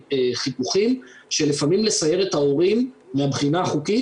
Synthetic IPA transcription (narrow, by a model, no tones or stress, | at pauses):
χipuχimʃe̞lifamimle̞saje̞ʁet̪hao̞ʁimveabχinaaχuki